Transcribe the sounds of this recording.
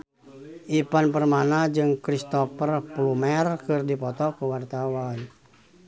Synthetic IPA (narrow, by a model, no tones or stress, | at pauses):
ʔipanpərmanad͡ʒɨŋkɾist̪ɔpərpulumɛrkɨrdipɔt̪ɔkəwart̪awan